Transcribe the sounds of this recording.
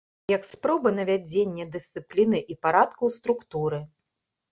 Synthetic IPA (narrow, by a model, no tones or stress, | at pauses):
jɐkspɾɔbɨnɐvʲad͡zʲenʲːɛd̪ɨst̪sɨplʲinɨʔipaɾat̪kɐwst̪ɾukt̪uɾɨ